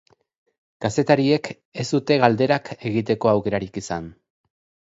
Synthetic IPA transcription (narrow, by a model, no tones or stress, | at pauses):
kase̞t̪aɾie̞k | e̞zd̪ut̪e̞ɣald̪e̞ɾakʰe̞ɣit̪̬e̞ko̞awke̞ɾaɾikisan